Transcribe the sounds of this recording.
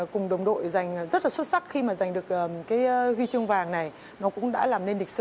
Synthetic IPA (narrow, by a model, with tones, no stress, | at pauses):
kʊ˨˩ŋ͡mɗə˨˩wŋ͡mɗo̰˧˨jza˨˩jŋ̟˨˩zə˦˥t̚laː˨˩swt̚sa˦˥k̚xi˧maː˨˩za˨˩jŋ̟ɗɨ˨˩ək̚ʔəː˨˩kaː˨˦jɦwi˧t͡ɕɨ˧əŋvaː˨˩ŋna˨˩j | nɔ˨˦kʊ̰˧˥ŋ͡mɗa̰ː˧˥laː˨˩mne˧nli˨˩k̟̚sɨ̰˧˨